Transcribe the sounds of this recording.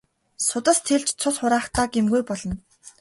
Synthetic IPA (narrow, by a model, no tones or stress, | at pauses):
sʊt̪ə̆st̪ʰeɮt͡ɕt͡sʰʊɮχʊɾaːχt̪aːɡemɡujpɔɮɞ̆n